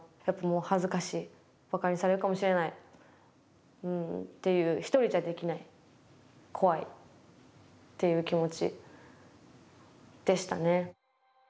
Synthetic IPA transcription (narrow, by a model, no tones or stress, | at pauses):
japːamoːhazɨkaɕiː | b̥akaɲ̟isaɾe̞ɾɯ̟kamo̞ɕiɾe̞nai | ɯ̟̃ɴt̪e̞jɯ̟ːçi̥t̪o̞ɾʲiʑad̪e̞kʲinai | kʰo̞βaḭ | t̪ːe̞jɯ̟ːkʲimo̞t͡ɕḭ | d̪̥e̞ɕi̥t̪a̰ne̞